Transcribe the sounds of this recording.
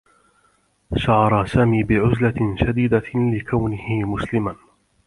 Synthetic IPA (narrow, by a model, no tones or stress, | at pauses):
ʃɑʕɑɾˤɑsaːmiːbɪʕʊzlaʃad̪iːd̪alɪkawnɪhɪmʊslɪman